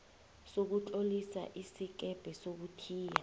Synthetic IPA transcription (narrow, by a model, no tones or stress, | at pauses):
sok̬ut͡ɬʼolisa̰ʔisik̬ɛb̥ʱɛsok̬utʰiːja